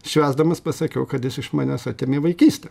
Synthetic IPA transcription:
ʃʲʋʲæːzd̪ɐmɐspɐsɐkʲɛʊkɐt̪jɪsɪʃmɑːnʲɛsɐːt̪ʲeːmʲeːʋɐɪkʲiːsʲt̪ʲɛ

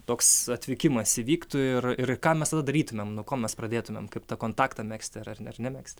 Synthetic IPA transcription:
t̪oːksɐt̪ʲʋʲɪkʲɪmɐsiʋʲiːkt̪ʊɪrɪrkɑːmʲɛst̪ɐd̪ɐd̪ɐɾʲiːt̪ʊmʲeːmnuɔkoːmʲɛsprɐd̪ʲeːt̪ʊmʲḛmkɐɪpt̪ɐkoːnt̪ɑːkt̪ɐmʲæːksʲt̪ʲɪɐrɐrnɐrnʲɛmʲæːksʲt̪ʲɪ

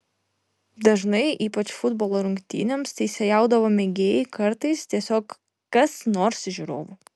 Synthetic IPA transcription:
d̪ɐʒnɐɪʔiːpɐt͡ʃfʊd̪boːlˠoːɾʊŋʲkʲt̪ʲḭːnʲemst̪ʲɛɪsʲɛjɑˑʊd̪ɐʋoːmʲeɡʲeːjɪkɐɾt̪ɐɪst̪ʲiɛsʲoːk | kɐsnoːɾsʲʒʲuɾoːʋo

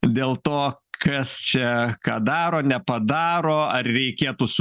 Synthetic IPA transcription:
d̪ʲeːlˠt̪oː | kɐst͡ʃʲɛkɑːd̪ɑːɾoːnʲɛpɐd̪ɑːɾoːɐrɾʲɛɪkʲeːt̪ʊs

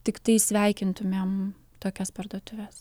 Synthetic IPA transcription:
t̪ʲɪkt̪ɐɪsʲʋʲæˑɪkʲɪnt̪ʊmʲeːm | t̪oːkʲɛspɐrd̪uɔt̪ʊʋʲɛs

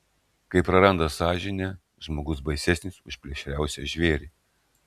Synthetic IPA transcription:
kɐɪpɾɐɾɐnd̪ɐsɑːʒʲɪnʲɛ | ʒmoːɡʊsbɐɪsʲɛsʲnʲɪsʊʃʲpʲlʲeɛʃʲɾʲæˑʊsʲɛʒʲʋʲeːɾʲiː

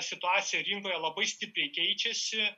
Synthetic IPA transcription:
sʲɪt̪ʊɑːt̪sʲɪjɛɾʲɪŋkoːjɛlˠɐbɐɪsʲt̪ʲɪpʲɾʲɛɪkʲɛɪt͡ʃʲɛsʲɪ

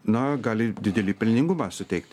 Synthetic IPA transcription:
nɐɡɑːlʲɪd̪ʲɪd̪ʲɛlʲiːpʲɪlʲnʲɪŋɡʊmɑːsʊt̪ʲɛɪkt̪ʲ

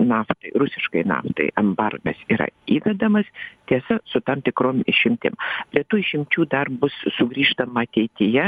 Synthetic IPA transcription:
nɑːft̪ɐɪrʊsʲɪʃkɐɪnɑ̰ːft̪ɐ̰ɪɛmbɐrɡɐ̰siːɾɐ̰iːdʲɛd̪ɐmɐst̪ʲiɛsɐsʊt̪ɐmt̪ʲɪkɾoːmɪʃʲɪmʲt̪ʲɪ̰mpʲɾʲiɛt̪uːɪʃʲɪmʲt͡ʃʲuːd̪ɐrbʊssʊɡɾʲiːʃt̪ɐmɐɐt̪ʲɛɪt̪ʲɪjɛ

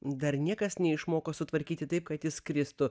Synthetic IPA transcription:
d̪ɐɾnʲiɛkɐsnʲɛɪʃmoːkosʊt̪ʋɐɾʲkʲiːt̪ʲɪt̪ɐɪp̚kɐt̪jɪskɾʲɪst̪ʊ

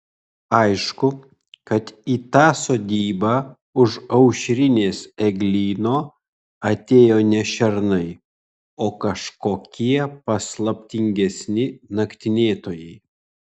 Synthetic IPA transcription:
ɐɪʃkʊ | kɐt̪iːt̪ɑːsoːd̪ʲiːbɑː | ʊʃɐʊʃʲɾʲɪnʲeːsɛɡlʲiːnoː | ɐt̪ʲeːjoːnʲɛʃʲɛɾnɐɪ | oːkɐʃkoːkʲiɛpɐslˠɐpʲt̪ʲɪŋʲɡʲɛsʲnʲɪnɐkt̪ʲɪnʲeːt̪oːjɛɪ

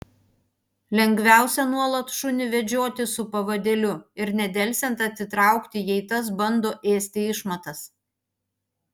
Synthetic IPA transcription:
lʲɛŋʲɡʋʲæˑʊsʲɛnuɔlˠɐt̪ʃʊnʲɪʋʲɛd͡ʒʲoːt̪ʲɪsʊpɐʋɐd̪ʲɛlʲʊɪɾnʲɛd̪ʲɛlʲsʲɛnt̪ɐt̪sʲɪt̪ɾɑˑʊkt̪ʲɪjɛɪt̪ɐs̬bɐnd̪oːʔeːsʲt̪ʲɪɪʃmɐt̪ɐs

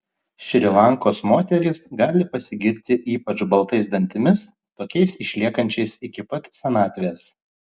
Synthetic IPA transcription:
ʃʲɾʲɪlˠɑŋkoːsmoːt̪ʲɛɾʲɪsɡɑːlʲɪpɐsʲɪɡʲɪɾʲt̪ʲɪʔiːpɐt͡ʃbɐlˠt̪ɐɪsd̪ɐnʲt̪ʲɪmʲɪs | t̪oːkʲɛɪsɪʃʲlʲiɛkɐnʲt͡ʃʲɛɪsɪkʲɪpɐt̪sʲɛnɑːt̪ʲʋʲeːs

